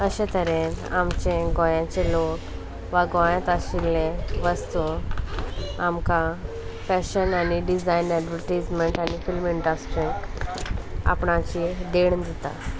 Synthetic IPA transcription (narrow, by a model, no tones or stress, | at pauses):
əɕet̪əɾenamt͡ɕẽɡɔ̃jãt͡ɕelok | ʋaɡɔ̃jãt̪əɕilːeʋəst̪u | amka | fɛɕənaniɖid͡zajnɛɖʋəɾʈijd͡zmeɳʈanifilmiɳɖəsʈɾi | a̰pɳat͡ɕid̪eɳd̪ʱit̪a̰